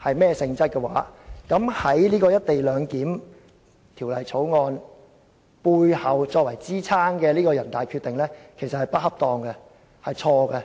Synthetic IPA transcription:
hɐ˨jmɛː˥sɪ˧ŋt͡sɐ˥t̚kɛ˧waː˨˥kɐ˨˥mhɐ˨˥jliː˥kɔː˧jɐ˥t̚t̪e˨jlœː˨˧ŋkiː˨˥m | t̪ʰiː˨˩wlɐ˨jt͡sʰo˨˥wŋɔː˧n | puː˧jhɐ˨˩wt͡ʃɔː˧k̚wɐ˨˩jt͡siː˥t͡sʰaː˥ŋkɛː˧liː˥kɔː˧jɐ˨˩nt̪aː˨˩jkʰy˧t̪ɪ˨ŋlɛː˥kʰe˨˩jsɐ˨t̚hɐ˨jpɐ˥t̚hɐ˥p̚t̪ɔː˨˧ŋkɛ˧ | hɐ˨jt͡ʃʰɔː˧ɡɛ˧

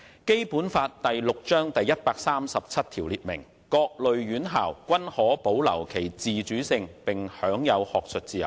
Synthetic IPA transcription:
ke˥jpuː˨˥nfaː˧t̚t̪ɐ˨jlʊ˨k̚t͡ʃœː˥ŋt̪ɐ˨jːɐ˥t̚paː˧k̚saː˥msɐ˨p̚t͡sʰɐ˥t̚t̪ʰiː˨˩wliː˨˧t̚mɪ̰˨˩ŋ | kɔː˧k̚lɵ˨ɥjyː˨˥nɦaː˨˩wkʷɐ˥nhɔː˨˥po˨˥wlɐ̰˨˩wkʰe˨˩jt͡siː˨t͡ʃyː˨˥sɪ˧ŋpɪ˨ŋhœː˨˥ŋjɐ˨˧whɔː˨k̚sʰɵ˨˧t̚t͡siː˧jɐ̰˨w

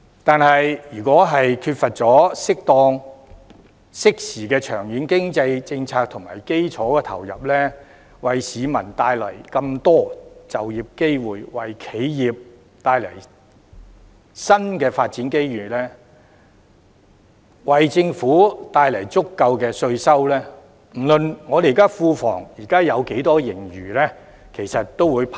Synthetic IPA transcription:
t̪aː˨˧nɦɐ˨jjyː˨˩kɔː˨˥ɦɐ˨jkʰyː˧t̚fɐ˨t̚t͡sɔː˨˥sɪ˥k̚t̪ɔː˧ŋ | sɪ˥k̚siː˨˩kɛː˧t͡ʃʰœː˨˩ŋjiː˨˥nkɪ˥ŋt͡sɐ˧jt͡sɪ˧ŋt͡sʰaː˧k̚t̪ʰʊ˨˩ŋmaː˨˩jke˥jt͡sʰɔː˨˥kɛː˧t̪ʰɐ̰˨˩wjɐ̰˨p̚lɛː˥ | wɐ˨jsiː˨˧mɐ̰˨˩nt̪aː˧jlɐ̰˨˩jkɐ˧mt̪ɔː˥t͡sɐ˨wji˨p̚ke˥jwuː˨˩jwɐ˨jkʰe˨˥jjiː˨˩p̚ | t̪aː˧jlɐ˨˩j | sɐ˥nkɛː˧faː˧t̚t͡siː˨˥nke˥jɥyː˨lɛː˥ | wɐ˨jt͡sɪ˧ŋfuː˨˥t̪aː˧jlɐ˨˩jt͡sʊ˥kːɐ˧wkɛː˧sɵ˧ɥsɐ˥wlɛː˥ | m̩˨˩lɵ˨˧nŋɔː˨˧d̪e˨˩˨kaː˥fuː˧fɔ̰ː˨˩ŋjiː˨˩kaː˥jɐ˨˧wke˨˥jt̪ɔː˥jɪ˨˩ŋjyː˨˩lɛː˥ | kʰe˨˩jsɐ˨t̚t̪o˥wuː˨˧jpʰ

